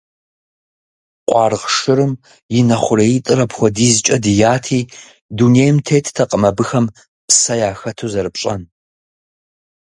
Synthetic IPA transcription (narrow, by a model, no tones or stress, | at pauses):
qʷʼɑːrʁʂɨɾɨm | jɪnɐχʷʊɾɐjitʼɨɾɐpxʷɔdiːzɨt͡ʃʼɐdɨjaːtʰiː | dunejmtʰeːtʰtʰɐqʼəmɐbɨxɐm | psɐjaːxɐtʰuːzɐɾɨpɕʼɐn